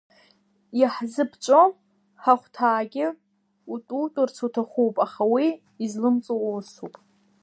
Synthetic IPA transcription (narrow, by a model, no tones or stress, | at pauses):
jaħzɨpʰt͡ʃʷʼo | ħaχʷtʰaːɡʲɪ | utʼutʼʊrt͡sʰutʰaχʷupʼaχawiː | zlɨmt͡sʼowosupʼ